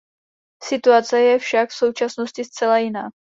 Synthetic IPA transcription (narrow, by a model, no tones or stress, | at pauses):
sɪt̪uat͡sɛjɛfʃakfso̞wt͡ʃasno̞scɪst͡sɛlajɪnaː